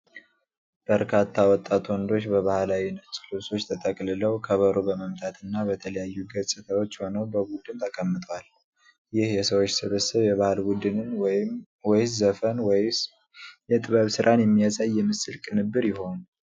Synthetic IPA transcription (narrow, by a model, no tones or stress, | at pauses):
b̥əɾkʰat̪ʰːawɔt̪ʼːat̪ʰwɔnd̪o̞t͡ʃːbəβahlawinət͡ʃʼlɨso̞t͡ʃːt̪ʰət̪ʼəkʼlɨləwkʰəβəɾobəməmt̪ʰat̪ʰɨnːabət̪ʰələjajːuɡəsʼɨt̪ʰəwo̞t͡ʃːho̞nəwbəbud̪ɨnt̪ʰəkʼəmːɨt̪ʼwal | jɪhjɛsəwot͡ʃːsɨβəsəβjɛβahlbud̪ɨnn | wɔjzəfənw | jɛt̪ʼɨβəβsɨɾʔanjɛmːijasʼajːɛmɨsɨlkʼɨnɨbːɨɾjɪɦo̞nu